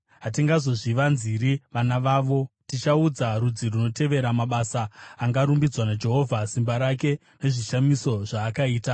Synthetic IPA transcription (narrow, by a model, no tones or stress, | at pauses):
ɦat̬iŋɡazo̞ʐiʋanziɾiʋanaʋaːʋo̞tit͡ʃaud͡zaɾud͡ziruno̞te̞ʋe̞ɾamaɓasaːŋɡaɾumbid͡zwanad͡ʒe̞ɦo̞vʱasimbaɾake̞ | ne̞ʐiʃamiso̞ʐaːkaiːta